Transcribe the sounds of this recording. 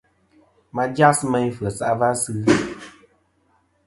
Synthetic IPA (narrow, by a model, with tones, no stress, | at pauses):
ma˧d͡ʒa˦sma˧ɲ˦fə˨sa˨ʔva˦sɨ˦